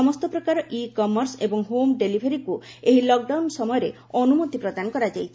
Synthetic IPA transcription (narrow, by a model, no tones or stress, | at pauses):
ɔmɔst̪ɔpɾɔkaɾɔʔikɔmɔɾsebɔŋɦomɖelibʱeɾiku | eɦilɔk̚ɖawnsɔmɔjɔɾe | ɔnumot̪ipɾɔd̪anɔkɔɾad͡ʒajt͡ʃʰi